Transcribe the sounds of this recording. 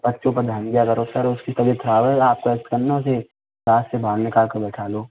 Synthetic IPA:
bɐtːʃõpɐɾd̪ʱənɡijakɐɾosɐɾʊskist̪ɐbit̪ʰɾaːʋɛaːp̚koɛkt̪kɐɾnaʊse | ɾaːssebʱaːɡnɪkaːlkɐɾbɛːʈʰaːloː

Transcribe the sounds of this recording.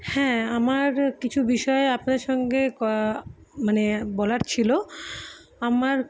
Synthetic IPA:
hɛ̃amaɾkit͡ɕʰubiʃɔeapnaɾʃɔŋɡekɔ | manebɔlaɾt͡ɕʰilo | amaɾ

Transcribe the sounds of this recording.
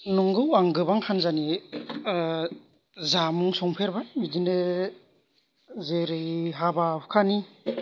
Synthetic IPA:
nɔŋɡɯwaŋɡɯbaŋkʰanzani | zamuŋsɔŋpʰeɾbamidine | zeɾɯjɦabapukʰani

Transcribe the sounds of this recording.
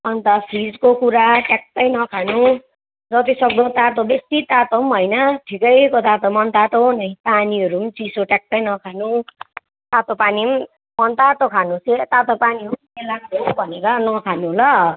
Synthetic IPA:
ʌnt̪ʌpʰid͡zkokuɾaʈak̚t̪ʌjnʌkʰanũ | d͡zʌt̪isʌk̚d̪ʌ̃t̪at̪obest̪it̪at̪omɦʌjnʌʈʰikʌjkot̪at̪omʌnt̪at̪onʌĩpaniʌɾumt͡sisoʈak̚t̪ʌjnʌkʰanu | t̪at̪opanim | mʌnt̪at̪okʰanũset̪at̪opaniumelamɾobʱʌneɾʌnʌkʰanuɦolʌ

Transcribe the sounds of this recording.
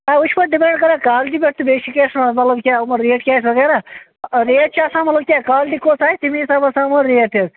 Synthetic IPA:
aːʊt͡ʃʰpɐʈ̚ɖɪpẽːɳɖkɐɾaːkaːlɖiːbeʈʰt̪ubeːʃikeːsnãmɐt̪lɐbkʲaːmɐɾːeːʈkʲaːsʋɐɣɛːɾaː | ɾeːʈ̚t͡ʃaːsãːmɐt̪ləbkʲaːkaːlʈikoːsaːit̪imisaːbɐsãːmɐɾɾeːt̪ez

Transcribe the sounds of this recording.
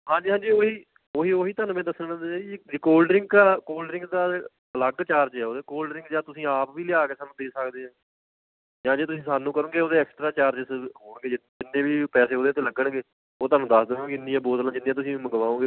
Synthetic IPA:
ɦãːd͡ʒiːɦãːd͡ʒiːoːɦiː | oːɦiːoːɦiːt̪aːnũːmɛ̃ːd̪əsənãnd̪eaːid͡ʒɾkoːlɖɾɪ̃ŋɡaːkoːlɖɾɪ̃ŋɡd̪aː | ələɡt͡ʃaːɾd͡ʒɛːoːd̪eːkoːlɖəɾɪ̃ŋɡd͡ʒaːt̪ʊsĩːaːpʋiːlɪaːkeːsaːnũːd̪eːsəkd̪eːɦãː | d͡ʒãːd͡ʒeːt̪ʊsĩːsaːnːũːkəɾõːɡeːoːd̪eːɛːksʈɾaːt͡ʃaːɾd͡ʒɪsɦoːɳɡeːd͡ʒɪd͡ʒɪnːẽːʋiːpɛːseːɦoːd̪eːt̪eːləɡəɳɡeː | oːt̪aːnũːd̪əsd̪eːõːkɪnijãːboːt̪əlãːd͡ʒɪnːĩːãt̪ʊsĩːməɡʋaːõːɡeː

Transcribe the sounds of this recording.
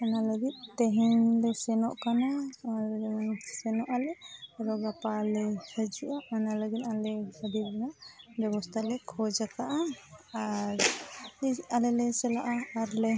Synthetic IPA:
ɛnaləɡit̪̚t̪ɛɦɛnlɛsɛnɔʔkanaad͡ʒɛmansɛnɔʔalɛaɾɔɡapalɛhəd͡ʒuʔaanaləɡit̪alɛhəd̪iɾ̚bɛnabɛbɔst̪ʰalɛkʰɔd͡ʒak̪aʔaaɾialɛlɛsɛlaʔaːɾlɛ

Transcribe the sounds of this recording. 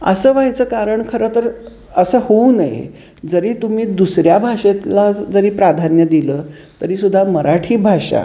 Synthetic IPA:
ə̰səʋajt͡səːkaɾəɳkʰəɾəːt̪əɾ | əsəːhounajḛ | d͡zəɾiːt̪um̤iːd̪usɾjabʱaʂet̪lad͡zəɾiːpɾad̪ʱanjəd̪iləː | t̪əɾiːsud̪ʱːaməɾaʈʰiːbʱaʂa̰

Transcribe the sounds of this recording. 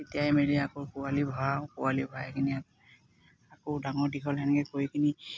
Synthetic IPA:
etijajmeliakoɹkʊwalibʱawkʊwalibʱajɛkʰini | akodaŋɔɹdikʰɔlankɛkoɹikʰini

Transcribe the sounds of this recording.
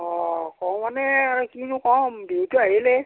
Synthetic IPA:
ɔkɔwɔ̃nɛɾɛkinũkɔ̃m̩betuaele

